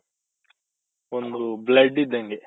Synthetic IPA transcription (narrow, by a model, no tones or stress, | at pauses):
ond̪ublɐɖːid̪ːɐŋɡe